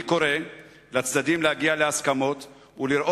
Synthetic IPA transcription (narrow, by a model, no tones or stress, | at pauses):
ko̞ɾe̞ | lat͡sd̪ad̪imlehaɡialeaskamo̞t̪ | uliɾʔo